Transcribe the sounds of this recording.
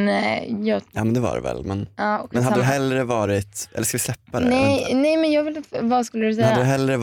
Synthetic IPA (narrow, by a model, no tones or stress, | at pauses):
njɑːjɑːmɛnd̪ɛva̰ɾɛ̰vɛ̰lmɛnɑːmɛnhad̪ːd̪ɦɛlːɾəvɑːɾɪt̪ɛ̰lːəʂkalvɪslɛpːad̪ɛnɛnɛjmɛnjɑːɡvɪlvɑskɵlːəd̪ʉs̬ɛhad̪ːəd̪ɦɛlːɾə